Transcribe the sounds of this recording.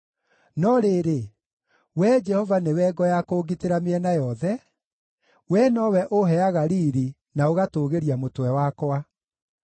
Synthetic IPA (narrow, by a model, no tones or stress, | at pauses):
nɔɾeɾe | wɛd͡ʒɛhɔvanewɛɡɔjakoːɡiteɾameɛnajɔðɛ | wɛnɔwɛʔoɦɛaɣaɾiɾi | naoɣatoːɣeɾiamotwɛwakowa